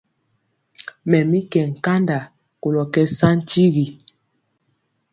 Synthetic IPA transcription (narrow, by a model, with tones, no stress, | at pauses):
mɛ˨mi˦kɛ˨ŋ̩˨ka˦nda˨ | ko˨lɔ˨kɛ˦sa˦n̩˦ti˦ɣi˨